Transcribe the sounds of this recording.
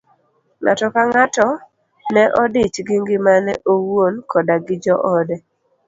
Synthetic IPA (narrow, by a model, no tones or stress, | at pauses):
ŋa̰tɔkaŋatɔ | nɛʔɔdɪt͡ʃɡɪŋɡɪmanɛʔowonkʰɔdaɡɪd͡ʒɔʔɔdɛ